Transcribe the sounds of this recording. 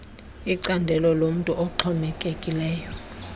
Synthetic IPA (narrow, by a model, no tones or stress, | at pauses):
iǀandʱɛlɔlom̩tʼuʔɔǁʰɔmɛkʼekʼilɛːjɔ